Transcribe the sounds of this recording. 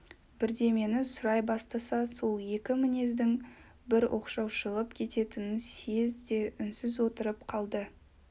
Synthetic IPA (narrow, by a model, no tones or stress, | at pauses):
bɪɾd̪e̞menɪsʊɾɑjbɑst̪ɑsɑso̞lˠje̞kʲɪmɪne̞zd̪ɪŋ | bɪɾwʔo̞̰qʃɑwʃəlˠəpkʲʰe̞t̪e̞t̪ɪnɪnse̞zd̪e̞ʔʏnsɪzwo̞t̪əɾəpqʰɑlˠd̪ə